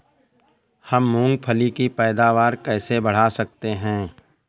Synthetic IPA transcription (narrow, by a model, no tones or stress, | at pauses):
həmːũːŋɡpʰəlikipɛːd̪aːʋaːɾkɛːsebɐɽ̤aːsɐk̚t̪eɦɛ̃ː